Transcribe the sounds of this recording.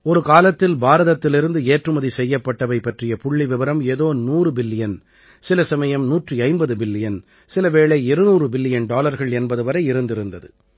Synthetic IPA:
ɔɾɯkaːlɐt̪ːɪlbaːɾɐðɐt̪ːɪlɪɾɯnd̪ɯeːʈrɯmɐðisɛjːɐpːɐʈːɐʋɐɪpːɐʈrɪjɐpʊɭːiʋɪʋɐɾɐmeːðoːnuːrɯbɪlːɪjɐn | sɪlɐsɐmɐjɐmnuːʈriɐɪmbɐðɯbɪlːɪjɐn | sɪlɐʋeːɭɐɛɾɯnuːrɯbɪlːɪjɐnɖaːlɐɾɣɐɭɛnbɐðɯʋɐɾɐɪɪɾɯnd̪ɪɾɯnd̪ɐðɯ

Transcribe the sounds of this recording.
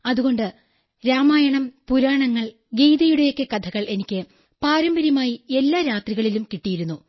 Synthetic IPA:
ɐðuɣo̞ɳɖɨ | ɾaːmaːjɐɳɐmpuɾaːɳɐŋːɐɭ | ɡejðɐjuɽejo̞kʲːekɐd̪ʰʱɐɣɐɭʔe̞nikʲːɨ | paːɾɐmbɐɾjumaːjie̞lːaːɾaːt̪riɣɐɭilumkiʈːijiɾunːu

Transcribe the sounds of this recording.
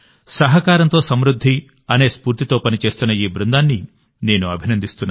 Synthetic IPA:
sɐɦɐkaːɾɐnt̪oːsɐmɾud̪ʱːi | ɐneːspuːɾt̪it̪oːpɐnit͡ʃe̞ːst̪unːɐiːbɾund̪aːnːi | ne̞ːnuɐbʱinɐnd̪ʱist̪unːa

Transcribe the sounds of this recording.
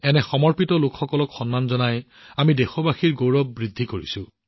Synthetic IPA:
ɛnɛxɔmɔɹpitɔlʊkxɔkɔlɔkxɔnmanzɔnaj | amidexobaxiɹɡowɹɔbːɹidʱːikoɹḭsʊ̃

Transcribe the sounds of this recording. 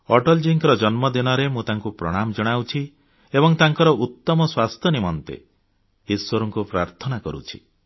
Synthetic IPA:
ɔʈɔld͡ʒiŋkɾɔd͡ʒɔnmɔd̪inɔɾemũt̪aŋkupɾɔ̰ɽ̃amd͡ʒɔɽ̃awt͡ʃʰi | ebɔŋt̪aŋkɔɾɔʔut̪ːɔmɔswast̪ʰjɔnimɔnt̪ḛ | iswɔɾɔŋkupɾaɾt̪ʰɔnakɔɾṵt͡ʃʰi̥̰

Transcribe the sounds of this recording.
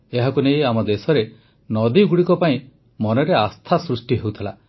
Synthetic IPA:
eɦakunejamɔd̪esɔɾe | nɔd̪iɡuɽikɔpaĩ | mɔnɔɾeast̪ʰasɾusʈiɦewt̪ʰila̰

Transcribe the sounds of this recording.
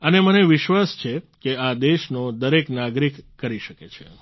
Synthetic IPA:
əneməneʋɪʃʋast͡ʃʰekead̪eʃnod̪əɾeknaɡɾikːəɾiʃəket͡ʃʰe

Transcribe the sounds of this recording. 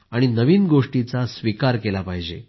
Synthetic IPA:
aɽ̃inəʋiːnɡoʂʈit͡sasʋikaɾkelapaɦid͡ʑe

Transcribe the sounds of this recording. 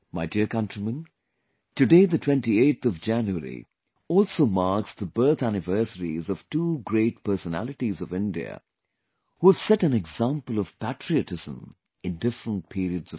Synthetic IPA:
maɪdikʌ̃ntɹ̥imə̃n | tɨdeɪðɨtʰw̥ɛ̃ntieɪtt̪ʌvd͡ʒæ̃njuəɾḭ | ɔlˠsoʊmɑɹksðəbɜ˞t̪ænɨvɜ˞səɹḭzʌv̥tuːɡɹeɪt̚pʰɜ˞sənæ̰lˠɨʈizʌvɪ̃ndiə̰ | huəv̥sɛɾæ̃nɛɡzæ̃mpəlˠʌv̥pætɹ̥iɨtɪz̥ə̰̃m | ɨ̃ndɪfɹə̃nt̚pʰiɾiɨdz̥ʌ

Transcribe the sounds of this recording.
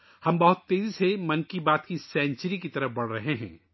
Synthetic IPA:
hɐmbɐɦʊt̪ːeːzisemɐ̃nkibaːt̪kisɛ̃ːnt͡ʃəɾikit̪ɐɾəfbɐɽ̤ɾɐɦeɦɛ̰̃ː

